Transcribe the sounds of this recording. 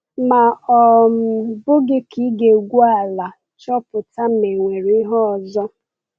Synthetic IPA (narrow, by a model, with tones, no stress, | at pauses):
ma˨ɔ˨m̩˨bʊ˦ɡɪ˦ki˦ɡe˨ɡʷu˦a˦˨la˨ | t͡ʃɔ˦pʊ˨ta˦m̩˦me˨ŋʷe˨ɾɦɔ˦ɔ˨zɔ˦